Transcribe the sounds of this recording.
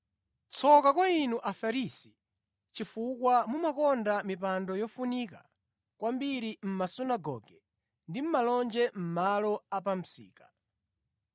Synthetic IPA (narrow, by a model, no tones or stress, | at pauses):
t͡sʰɔkakwainuʔafaɾisi̥ | t͡ʃifukwamumakɔndamip̬andɔjɔfunika̰ | kwambiɾim̩masunaɡɔ̰ɡɛ | ndim̩malɔnd͡ʒɛm̩malɔapam̩sḭːkḁ